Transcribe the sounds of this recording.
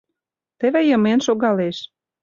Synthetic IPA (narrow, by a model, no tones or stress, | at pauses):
t̪ĕβĕjə̆menʃoɣɑleʃ